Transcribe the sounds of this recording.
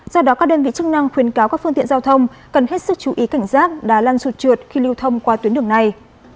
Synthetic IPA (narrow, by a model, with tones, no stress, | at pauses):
zɔ˧ɗɔ˨˦kaː˦˥k̚ɗəː˧nvḭ˧˨t͡ɕɨ˦˥k̚na˧ŋxwi˨˦ənkaː˨˦wkaː˦˥k̚fɨ˧ŋt̪ḭ˧˨ənzaː˧wt̪ʰə˧wŋ͡m | kə˨˩nɦe˦˥t̚sɨ˦˥k̚t͡ɕu˨˩ʔi˨˦ka˧˩jŋ̟saː˦˥t̚ɗaː˨˩laː˧nsu˨˩t̚t͡ɕɨ˨˩ət̚xi˧li˧wt̪ʰə˧wŋ͡mkwaː˧t̪wi˨˦nɗɨ˧˩əŋna˨˩j